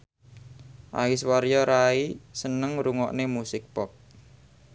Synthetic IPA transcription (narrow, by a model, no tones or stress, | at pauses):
ʔa̰wɪswaɾjɔɾaisənəŋɾuŋɔ̰ʔnemusɪk̚pɔk̚